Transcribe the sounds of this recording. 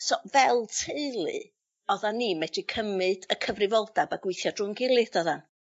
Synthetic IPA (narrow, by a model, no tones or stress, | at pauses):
sɔvɛlˠtʰeɨlˠɨ̰ | ɔðanːiːmɛdikʰəmɨd̥əkʰəvrɨvɔlˠd̥abaɡ̥wɪɨθjɔdrʊŋɡɪlˠɨd̥ɔðan